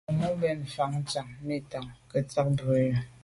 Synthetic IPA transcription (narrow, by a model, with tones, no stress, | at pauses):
mu˦bɛ˦˨n̩˨fa˨ŋ̩˦t͡ʃa˨ŋni˦˨ta˨ŋkə˨t͡sa˦k̚bo˨jə˨˦